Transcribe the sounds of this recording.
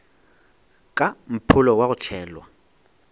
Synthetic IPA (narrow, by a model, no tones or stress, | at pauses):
kʼam̩pʰʊlɔwaɣʊt͡ʃʰɛːlwa